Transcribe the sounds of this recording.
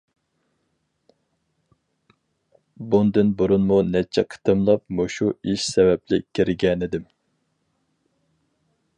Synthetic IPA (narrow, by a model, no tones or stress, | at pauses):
bund̪ɨnbuɾunmunɛt͡ʃʰɛqʰə̥t̪ʰɨmlˠɑp̚moʃuiʃsɛvɛplɪkʲʰiɾɡʲɛnɪd̪ɪm